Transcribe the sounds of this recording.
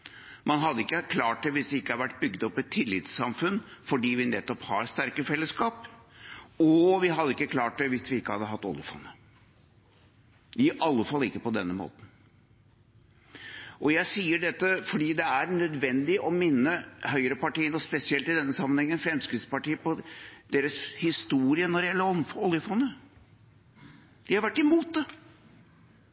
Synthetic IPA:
mɑnɦɑd̪ːəɪkːəkʰlɑːʈ̚d̪ɛʋɪsd̪ɛɪkːəhɑɾʋæʈːbʏɡd̪ɔpːɛt̪ʰːɪlːɪ̰t̪sːɑmfʉnfɔɖiːʋɪnɛt̪ːɔphɑɾst̪æɾkəfɛlːəskɑːp | ɔʋɪɦɑd̪ːəɪkːəkʰlɑːʈ̚d̪ɛʋɪsʋɪɪkːəhɑd̪ːəɦɑt̪ːɔ̰ljɪəfɑ̰nːə | ɪʔɑlːəfɑlːɪkːəpɔd̪ɛnːəmo̰ːt̪n̩ | ʔɔjæɪsiːəɖɛt̪ːəfɔɖiːd̪ɛæɾnœd̪ʋɛnd̪ɪʔɔmɪnːəhœʏəɾəpɑʈiːənɔspɛsɪɛlt̪ɪd̪ɛnːəsɑmːənhɛŋːənfɾɛmskɾɪt̪spɑʈiːəpɔd̪eːɾəshɪst̪uːɾɪənɔɾɖɛjɛlːəɾɔfɔɔlːjəfɔnə | d̪̥ɪhɑɾʋæʈːɪmuːt̪̚d̪ɛ

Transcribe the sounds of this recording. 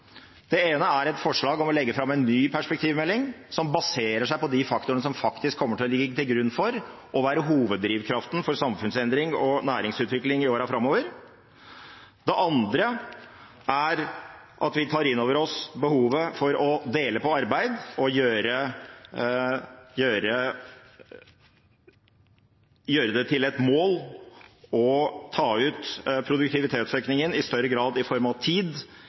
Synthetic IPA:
d̪̥ɛeːnəæɾɛt̪fɔʂɭɑːɡɔmɔlɛɡːəfɾɑmːɛɪnːyːpʰæʂpɛk̚t̪ʰiːʋmɛlːɪŋsɔmbɑseːɾəʂæɪpɔd̪ifɑkt̪ʊənəsɔmfɑkt̪ɪskʰːɔmːəʈʰɪlɔlɪɡːəːət̪ɪlɡɾʉnːfɔɾ | ʔɔʋæːɾəɦuːʋəd̪ːɾiːʋkʰɾɑft̪n̩fɔɾsɑmfʉnsɛnd̪ɾɪŋɔnæːɾɪŋsʉːt̪ʋɪklɪŋɪoːɾɑfɾɑmoːʋəɾ | d̪ɛʔɑnd̪ɾə | ʔæɾ | ʔɑ̰t̪ʋɪt̪ʰɑːɾɪnːoːʋəɾɔsbəhuːʋəfɔɾɔd̪eːləpɔɑɾbæɪd̪ɔjøːɾə | jøːɾə | jøːɾəd̪ɛt̪ʰɪlɛt̪moːl | ɔt̪ʰɑːʉːt̪pʰɾʊd̪ʉkt̪ɪʋɪt̪ʰeːt̪søːknɪŋənɪst̪œɾːəɡɾɑːd̪ɪfɔɾmɑʋt̪ʰiːd̪

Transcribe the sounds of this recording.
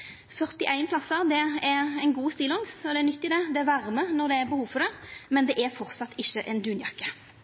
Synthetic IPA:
fœʁt̪ɪʔæɪnpʰlɑsːəd̪ɛɛɾɛɪnɡuːst̪iːlɔŋsɔd̪ɛɛɾnʏt̪ːɪd̪ɛd̪ɛæɾʋæʁmənɔʁd̪ɛɛɾbəhuːfɔɾd̪ɛmɛnd̪ɛʔɛɾfɔʁt̪sɑt̪ːɪçːəʔɛnd̪ʉːnjɑkːə

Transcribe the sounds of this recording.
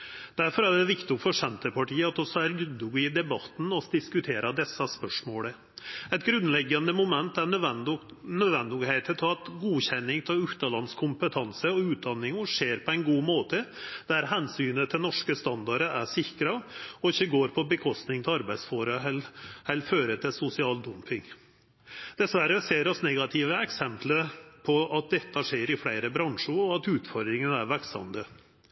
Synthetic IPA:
d̪̥æɾfɔɾæɖɛʋɪkt̪ʊŋfɔʂɛnt̪əpɑʈiːəɑt̪ɔsɔæɾlʉd̪ʊɡɪd̪ɛbɑt̪n̩ɔsd̪ɪskʉt̪ʰeːɾɑd̪ɛsːɑspœʂmoːlə | ɛɪt̪ɡɾʉnlɛɡːɑnəmʊmɛnt̪æ | nœd̪ʋɛnd̪ʊɡheɪt̪ʰət̪ʰɔɑt̪ɡuːçɛnːɪŋt̪ʰɪlʉkt̪ɑlɑnskʰʊmpət̪ʰɑnsəɔʉːt̪̚d̪ɑnːɪŋʊʂeːɾpʰɔæɪnɡuːmoːt̪əd̪̥æɾɦɛnsyːnət̪ʰɪlnɔʂkəst̪ɑnd̪ɑɾəʔæʂɪkɾɑɔɪçːəɡoːɾpʰɔbəkʰɔst̪nɪŋt̪ʰɛɑɾbæɪd̪sfoːɾəlhɛlføːɾət̪ʰɪlsʊsɪɑːld̪ʉmpʰɪŋ | d̪̥ɛsʋæɾəseːɾɔsnɛɡɑt̪ʰɪʋəɛksɛmpləpʰɔʔɑt̪̚d̪ɛt̪ːɑʂeːɾɪfɽæɪɾəbɾɑŋʂʊɾɔɑt̪ʉːt̪fɔɾd̪ɾɪŋənæɾʋæɾksɑ̰md̪ə

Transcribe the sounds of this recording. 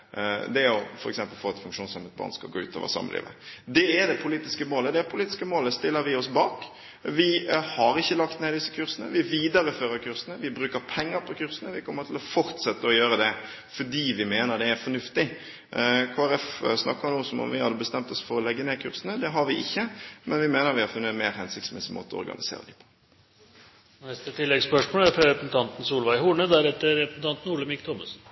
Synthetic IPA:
d̪ɛæɾjʊfɔɾɛ̰ksɛmpəlfɔɾɑt̪fʉŋkʂuːnsɑmhɛt̪̚bɑ̰ːnskɑ̰ɡo̰ːʉ̰ːt̪ʰɑ̰ʋə̰sɑ̰mːə̰lḭːʋə̰d̪ɛæɾd̪ɛpʰʊliːt̪ɪskəmoːləd̪ɛæɾpʰʊliːt̪ɪskəmoːləst̪ɪlːəɾʋɪɔsbɑːk | ʋɪhɑɾɪçːəlɑkt̪neːd̪ɪsːə̥kʰʉɾsənə̰ʋɪʋiːd̪ɑɾəføːɾəkʰʉɾsənəʋɪbɾʉːkəɾpʰɛŋːəɾpʰɔkʰʉɾsənəʋɪkʰɔmːəɾt̪ʰɪlɔfɔɾt̪sɛt̪ːəɔjøːɾəd̪ɛ | fɔɖiːʋɪmeːnəɾd̪ɛæɾfɔnʉft̪ɪ | kʰoːæɾɛfsnɑ̰kːənuːsɔmɔ̰mʋɪhɑd̪ːəbəst̪ɛmt̪ɔsfɔɾɔlɛɡːəneːkʰʉːɾsənəd̪ɛɦɑɾʋɪʔɪçːəmɛnʋɪmeːnəɾʋɪhɑɾfʉnːəmeːɾhɛnsɪkt̪smɛsɪmo̰ːt̪əɔɔ̰ɾɡɑ̰nɪsḛːɾə̰d̪ipʰo̥ | nɛst̪ət̪ʰɪlːɛɡspœʂmoːlæɾfɾɑɾɛpsn̩t̪ʰɑnt̪n̩suːlʋæɪhuːɳəd̪æɾɛt̪ːəɾɾɛpsn̩t̪ɑnt̪n̩uːɭəmɪkt̪ʰɔməs̩

